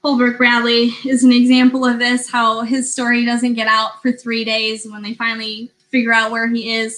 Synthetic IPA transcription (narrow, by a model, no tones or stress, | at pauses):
hɔlˠbə˞k̚ɹædˡliɪzn̩ɨɡzæ̃mpl̩ˠʌvðɪshaʊɪz̥stɔɹidʌzɨ̃nɡ̥ɛɾaʊtfə˞θɹiɾeɪzwə̃nðeɪfãɪ̃nl̩ˠi | fɪɡjə˞aʊt̚wə˞iɪz̥